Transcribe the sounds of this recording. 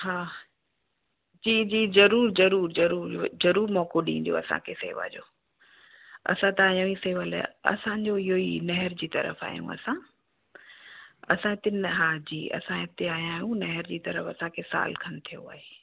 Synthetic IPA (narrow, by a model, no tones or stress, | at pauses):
ɦaː | d͡ʑiːd͡ʑiːzɐɾuːɾzɐɾuːɾzɐɾuːɾzɐɾuːɾmɔːkoɗĩːn̆d̪jo̰ːɐsã̰kʰesḛːʋa̰d͡ʑo̰ː | ɐ̰sãt̪ɐaːjãiseːʋəl̰ɐ̰sãɲd͡ʑoɪɦoinɐɦɪɾd͡ʑiːt̪ɐ̰ɾə̰fa̰ːjṵ̃ɐ̰sã | ɐsãɪt̪enɦaːd͡ʑiːɐ̰sãɪt̪eaːjãːjũnɐɦɪɾd͡ʑiːt̪ɐɾəfɐsãkʰesa̰ːlkʰɐnɪt̪ʰijoa̰ːɦeː